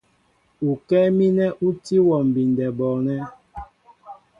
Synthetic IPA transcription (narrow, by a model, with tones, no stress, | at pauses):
u˨kɛ˦mi˦nɛ˦ʔu˦ti˦wɔ˨m̩˨bi˨ndɛ˨bɔ˨nɛ˦